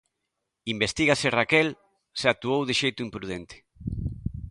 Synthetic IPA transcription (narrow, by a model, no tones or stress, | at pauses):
imbest̪iɣasɪrakɛl | seak̚t̪uowðɪʃejt̪ʊimpɾuð̞ent̪ɪ̥